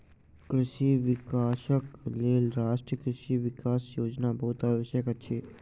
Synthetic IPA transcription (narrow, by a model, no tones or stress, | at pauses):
kɾɪʃiʋɪkaːʃəkleːlɾaːʃʈɾiəkɾɪʃiʋɪkaːsjoːd͡ʒnabɐɦut̪aːʋəʃjəkət͡ʃʰeː